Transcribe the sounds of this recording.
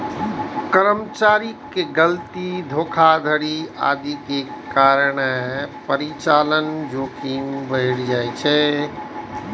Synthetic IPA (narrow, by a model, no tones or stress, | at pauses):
kəɾəmt͡ʃaɾikːeɡəlt̪id̪ʱokʰad̪ʱəɽia̰ːd̪ikekaɾɳepəɾit͡ʃalənd͡ʒokinbəɪɽd͡ʒajt͡ʃʰɛ